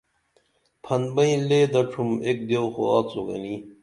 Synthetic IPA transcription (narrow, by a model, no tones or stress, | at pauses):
pʰɐnbɐĩleːd̪ɐʈ͡ʂʰumek̚d̪jowxo̰aːt͡soɡɐ̰ni